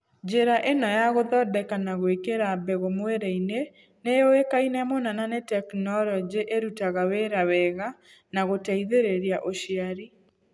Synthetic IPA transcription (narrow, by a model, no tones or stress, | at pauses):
d͡ʒeɾaʔenɔjaɣoðɔdɛkanaɣwekeɾabɛɣomweɾeine | nejoekainɛmonananetɛknɔlɔd͡ʒeʔeɾutaɣaweɾawɛɣa | naɣotɛiðeɾeɾiaʔoʃiaɾi